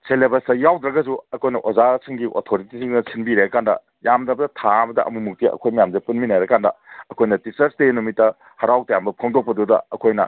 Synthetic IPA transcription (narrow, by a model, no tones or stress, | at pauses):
selebɐsɐjawd̪ɾɐɡɐzuɐkʰojnɐʔozasʰiŋɡiʔo̰tʰoɾitisiŋnɐsʰinbiɾeɐkandɐ | jamdɐbɐdɐtʰabɐdɐʔɐ̰mumuk̚tiɐ̰kʰojmɐjamzɐpunminajɾɐkandɐɐkʰojnɐtit͡ʃɐɾstenumitːɐ | hɐɾawtɐjambɐpʰɐŋdok̚pɐdudɐ̰ɐkʰojnɐ̰